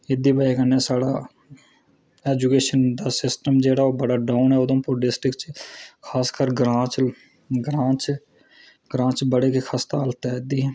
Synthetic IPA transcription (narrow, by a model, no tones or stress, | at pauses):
ɪd̪iːbəeːkənːeːsaːɽaː | ɛːd͡ʒukeːʃənd̪aːsɪsʈəmd͡ʒeːɽaːoːbəɽaːɖaːʊnɦɛːʊd̪õːpoɖɪsʈɪkt͡ʃkʰaːskəɾɡɾãːt͡ʃ | ɡɾãːt͡ʃ | ɡɾãːt͡ʃbəɽeːkekʰaːst̪aːlt̪ɛːd̪iːɦɛː